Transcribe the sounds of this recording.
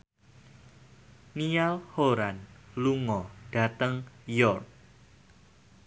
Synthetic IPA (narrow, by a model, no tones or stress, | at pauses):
nialhoɾanluŋɔɖ̥a̤t̪əŋjɔrk̚